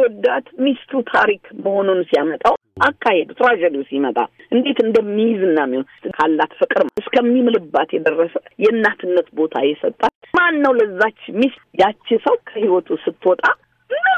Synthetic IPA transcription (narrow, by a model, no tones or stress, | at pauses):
wɔd̪ːat̪mist̪ɾut̪ʰaɾikməho̞nonusijamət̪ʼawʔakːahɛd̪t̪ʼɾad͡ʒɛd̪iusimət̪ʼa̰ʔɨnd̪e̞t̪ɨnd̪əmːijzɨnːamːihont̪ɨkʰalːat̪fɨkʼɾɨmɨskʰəmːimɨlɨbːat̪jɛd̪ərːəsə̥jɛɨnːat̪ʰɨnːət̪bo̞t̪ʰa̰jɛsət̪ʼːamanːəwləɨzːat͡ʃːmist̪jat͡ʃːɪsəwkʰəhiwɔt̪ʰusɨt̪ʰːwɔt̪ʼa